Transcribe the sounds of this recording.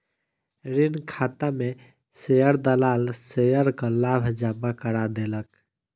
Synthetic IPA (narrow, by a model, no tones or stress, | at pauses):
ɾinkʰaːt̪ame | sejəɾd̪əlaːlsejəɾkəlaːbʱd͡ʒabakəɽad̪elək